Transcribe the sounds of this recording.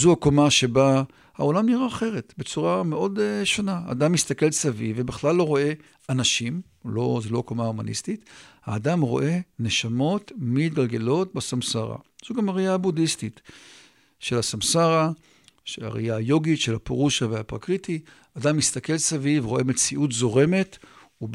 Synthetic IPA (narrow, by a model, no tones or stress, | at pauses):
zuakomaʃe̞ba | hao̞lamniʁaːχe̞ʁe̞tbet͡suʁame̞ʔo̞dʃonaa̰damist̪ake̞lsavivebeχlalːo̞ʁo̞e̞ | anaʃim | lozeloakomaumanḭstitha̰ːdamʁo̞̰ʔe̞neʃamo̞tmitɡalɡe̞lo̞t̚basamsaʁa̰z̥uɡamaʁijabudistit | ʃelasamsaʁa | ʃea̰ʁḭjajo̞ɡitʃelapeʁuʃaveapʁa̰kʁiti | adamist̪ake̞lsavivʁo̞ʔemet͡siʔutzo̞ʁe̞me̞t | u